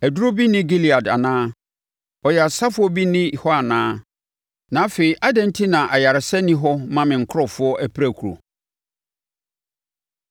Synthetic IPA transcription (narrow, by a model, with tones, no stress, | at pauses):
æ˨dɾo˦bi˦nɪ̃˦ɡi˦li˨a˨da̰˨nãː˦ | ɔ˨jɛ˨a˨sa˦fʊ˦ɔ˦bi˦nɪ̃˦˨hɔ˦a˨nãː˦ | nã˨˦fe˨i˨ʔa˦dɛ̃˦˨n̩˦tʰi˦nã˨ʔa˨ja˨ɾɪ˨sɛ˦nĩ˦ɦɔ˦mã˦mɪ̃˨ŋ̩˨kʰʊ˦ɾɔ˨fʊ˦ɔ˦ʔæ˦pʰɾæ˦˨kʰu˨ɾo̰˨